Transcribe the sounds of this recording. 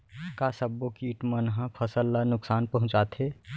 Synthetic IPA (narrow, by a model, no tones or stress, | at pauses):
kasəbːokiːʈmənɦãpʰəsəlːanʊksaːnpɐɦʊ̃t͡ʃaːt̪ɦeː